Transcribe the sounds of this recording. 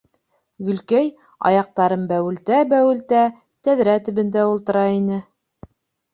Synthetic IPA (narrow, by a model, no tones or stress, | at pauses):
ɡɵ̆lkæj | ɑ̰jɑq̚t̪ɑɾɤmbæwɘ̆lt̪æbæwɘ̆lt̪æ | t̪æðɾæt̪ɵ̆βɘ̆nd̪æulˠt̪ɤ̆ɾɑinɘ